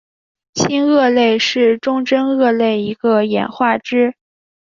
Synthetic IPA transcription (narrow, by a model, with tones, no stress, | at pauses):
ɕʰi˥nɤ˥˧le˥˧ɪʂɻ̩˥˩ʈ͡ʂʊ˥˧ŋʈ͡ʂə˥nɤ˥˧le˥˩ɪi˧˥ɡə˧jɛ̰˨˩nxwa˥˩ʈ͡ʂɻ̩˥